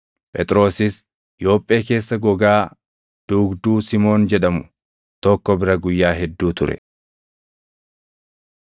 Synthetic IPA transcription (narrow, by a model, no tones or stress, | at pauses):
pʼɛt̪ʼɾo̞ːsɪs | ɪjo̞ːpʼːe̞ːke̞ːsːɐɡɔɡaː | d̪̥uːɡd̪uːsɪmo̞ːnd͡ʒɛᶑɐmʊ | t̪ɔkːɔbɪɾɐɡʊjːaːɦɛd̪ːuːt̪ʊɾɛ̰